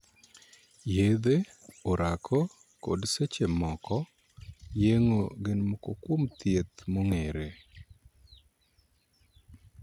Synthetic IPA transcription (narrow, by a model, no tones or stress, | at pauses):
jed̪eoɾakʰɔ | ko̰dset͡ʃemɔkɔ | jeŋoɡɪnmokokwomt̪jet̪moŋeɾe